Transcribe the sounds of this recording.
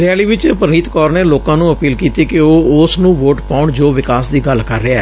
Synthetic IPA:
ɾɛːliːʋɪt͡ʃpəɾniːt̪kɔːɾneːloːkãːnũːəpiːlkiːt̪iːkɪoːʊsnũːʋoːʈpaːʊɳd͡ʒoːʋɪkaːsd̪iːɡəlkəɾːeaɛː

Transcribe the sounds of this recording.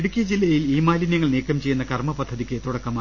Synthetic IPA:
ɽukʲːijɐd͡ʑilːɐjiliːmaːlinjɐŋːɐɭniːkːɐmt͡ɕe̞junːɐkɐrmɐpɐd̪ʱːɐðikʲːɨt̪uɽɐkːɐmaː

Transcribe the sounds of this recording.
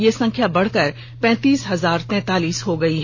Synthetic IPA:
jesɐ̃ŋkʰjabɐɽ̤kɐɾ | pɛ̃ːt̪iːsɦɐzaːɾt̪ɛ̃ːt̪aːliːsɦoɡɐiɦɛ

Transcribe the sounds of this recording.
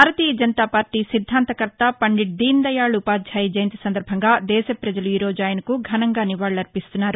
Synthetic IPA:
bʱaːɾɐt̪iːjɐd͡ʒɐnt̪aːpaːɾʈːiːsid̪ʱːaːnt̪ɐkɐɾt̪ɐpɐɳɖiʈ̚d̪iːnd̪ɐjaːɭupaːd̪d͡ʒaːjid͡ʒɐjɐnt̪i̥sɐnd̪ɐɾbʱɐŋɡaːd̪ɛːsɐpɾɐd͡ʒɐluiːɾoːd͡ʒaːjɐnɐkuɡʱɐnɐŋɡaːniʋaːɭːɐɾpist̪unːaːɾu

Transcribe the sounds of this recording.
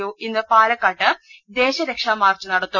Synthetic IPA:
uːʔinːɨpaːlɐkːaːʈːɨd̪e̞ːɕɐɾekʂaːmaːrt͡ɕːɨnɐɽɐt̪ːu

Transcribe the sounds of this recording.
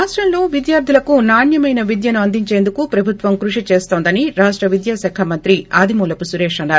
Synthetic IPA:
aːʂʈɾɐmlo̞ːʋid̪jaːɾd̪ʱilɐkunaːnjɐmɐjnɐʋid̪jɐnuɐnd̪iɲt͡ʃe̞ːnd̪ukupɾɐbʱut̪ʋɐmkɾuʂit͡ʃe̞ːst̪o̞ːnd̪ɐniɾaːʂʈɾɐʋid̪jaːsɛːkʰɐmɐnt̪ɾiaːd̪ʱimuːlɐpusuɾe̞ːʂɐnːaːɾu

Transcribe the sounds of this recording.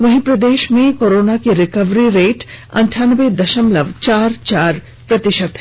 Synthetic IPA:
ʋɐɦĩpɾɐd̪eːʃmẽkoːɾoːnakeɾɪkəʋɾiɾeːʈɐ̰̃ɳʈʰaːnʋed̪ɐʃəmlɐʋt͡ʃaːɾt͡ʃaːɾ | pɾɐt̪ɪʃəd̪

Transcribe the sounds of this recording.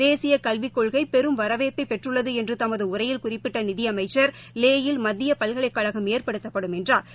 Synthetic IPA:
eːsɪjɐkɐlʋɪkːɔɭɣɐɪpɛɾɯmʋɐɾɐʋeːt̪ːɐɪpːɛʈrɯɭːɐðɯɛndrɯt̪ɐmɐðɯʊɾɐjɪlkʊrɪpːɪʈːɐnɪðɪjɐmɐɪt͡ʃːɐɾ | leːjɪlmɐðːɪjɐpɐɭɣɐɭɐɪkːɐɻɐɣɐmeːrpɐɽɯt̪ːɐpːɐɽɯmɛndraːɾ

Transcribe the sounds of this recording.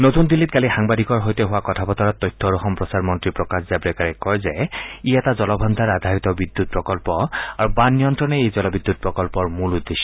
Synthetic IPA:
notundilːitkalixaŋbadikɔɹɦojtɛɦʊwakɔtʰapɔtɔɹɔtːɔjtʰːɔɹɔxɔmpɹɔsaɹmɔntɹipɹɔkaszabɹɛkaɹɛkkːɔɹzɛiɛtazɔlɔbʱɔnd̪ʱaɹad̪ʱaɹit̪ɔbid̪ːut̚pɹɔkɔlpɔaɹubanːijɔntɹɔnɛejzɔlɔbid̪ːut̚pɹɔkɔlpɔɹmulud̪ːeʃɔ

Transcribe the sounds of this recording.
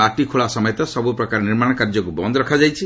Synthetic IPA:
aʈikʰuɭasɔmɔjɔt̪ɔsɔbupɾɔkaɾniɾmaɽ̃ɔkaɾd͡ʒɔkubɔnd̪ɔɾɔkʰad͡ʒajt͡ʃʰi

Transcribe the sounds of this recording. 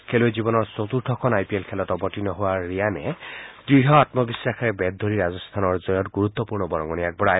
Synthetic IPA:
kʰeloezibɔnɔɹsot̪uɾtʰɔkʰɔnajpielkʰelɔtɔbɔʈinɔɦowaːianɛdɹiɦɔat̪mɔbisːakʰaɹebɛd̪ʱːoɾiɾazɔst̪ʰanɔɹzɔjɔtɡuɾut̪ːɔpuɹnɔbɔɹɔŋɡɔniak̚bɔɹaj

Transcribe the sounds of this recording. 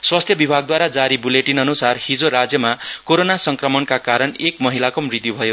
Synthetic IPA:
swast̪ʰjʌbibʱaɡ̚d̪waɾad͡zaɾibuleʈinʌnusarhid͡zoɾad͡zjʌmakoɾonasʌŋkrʌmʌnkakaɾʌnekmʌɦilakomrid̪jubʱʌjo

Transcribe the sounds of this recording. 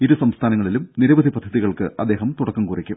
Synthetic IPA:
iɾusɐmst̪ʰaːnɐŋːɐɭilumniɾɐʋɐd̪ʱipɐd̪ʱːɐðiɣɐɭkɨɐ̰d̪ːeːɦɐmt̪uɽɐkːɐmkuːrikʲːum

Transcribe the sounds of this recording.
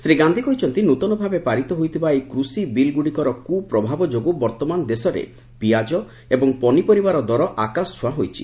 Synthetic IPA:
sɾeɡand̪ʱikɔɦit͡ʃʰɔnt̪inut̪ɔnɔbʱabepaɾit̪ɔɦojt̪ʰibaekɾusibilɡuɽikɔɾɔkupɾɔbʱabɔd͡ʒoɡobɔɾt̪ɔmand̪esɔɾḛ | piad͡ʒɔ | ebɔŋpɔnipɔɾibaɾɔd̪ɔɾɔʔakast͡ʃʰwaɦojt͡ʃʰi̥̰

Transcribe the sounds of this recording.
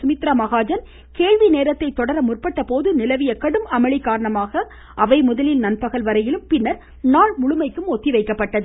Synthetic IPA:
sʊmɪt̪ɾɐmɐɣaːd͡ʒɐn | keːɻʋineːɾɐt̪ːɐɪt̪ːɔɽɐɾɐmʊrpɐʈːɐpoːðɯnɪlɐʋɪjɐkɐɽɯmɐmɐɭɪkːaːɾɐɳɐmaːɣɐ | ʔɐʋɐɪmʊðɐlɪlnɐnpɐɣɐɭʋɐɾɐjɪlɯmpɪnːɐɾ | naːɭmʊɻʊmɐɪkːɯmɔt̪ːiʋɐɪkːɐpːɐʈːɐðɯ

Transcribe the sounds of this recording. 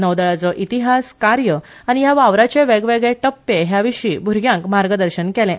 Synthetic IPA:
nəʋd̪əɭat͡sɔʔit̪iɦaskaɾjə | aɽ̃ijaʋaʋɾat͡ɕeʋeɡʋeɡɭeʈəpːeɦjaʋiɕiːbʱuɾɡjãŋkmaɾɡəd̪əɾɕənkɛlɛ̃

